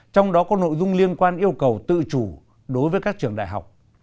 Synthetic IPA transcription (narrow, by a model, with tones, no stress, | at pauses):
t͡ɕɔ˧wŋ͡mɗɔ˨˦kɔ˨˦no̰˧˨jzʊ˧ŋ͡mli˧ənkwaː˧nʔi˧əwkə˨˩wt̪ɨ̰˧˨t͡ɕu˧˩ | ɗo˨˦jvəː˨˦jkaː˦˥k̚t͡ɕɨ˨˩əŋɗa̰ː˧˨jɦa̰˨˩wk͡p̚